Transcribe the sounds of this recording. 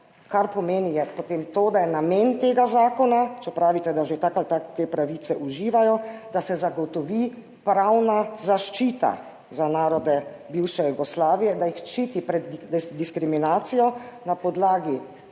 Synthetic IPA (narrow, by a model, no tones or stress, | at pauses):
kaɾpɔmeːnijɛpot̪eːmt̪oːd̪ajɛnameːnt̪eːɡazaːkɔnat͡ʃɛpɾaːʋit̪ɛd̪aʒet̪akat̪at̪eːpɾaʋiːt̪sɛʔuʒiːʋajɔd̪̥asɛzaɡɔt̪ɔʋiː | pɾawnazaʃt͡ʃiːt̪a̰ | zanaːɾɔd̪ɛ | biːwʃɛjuɡɔslaːʋijɛd̪ajixt͡ʃiːt̪ipɾɛd̪d̪iskɾiminaːt̪sijɔnapɔd̪laːɡi